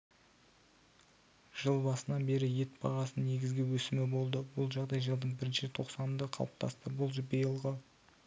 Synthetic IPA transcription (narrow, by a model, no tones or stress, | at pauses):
ʒ̥əlˠbɑsənɑbe̞ɾɪje̞t̪bɑ̰ʁɑsənne̞ɡʲɪzɡʲɪwɵsɪmɪbo̞lˠd̪əbʊlˠʒɑʁd̪ɑjʒəlˠd̪əɴbɪɾɪnʃɪt̪ʰo̞qsɑnəmd̪əqʰɑ̰lˠəp̚t̪ʰɑ̰st̪əbʊlˠʒbəjəlˠʁə